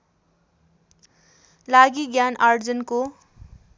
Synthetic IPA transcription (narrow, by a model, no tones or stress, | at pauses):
laɡiɡjanard͡zʌnko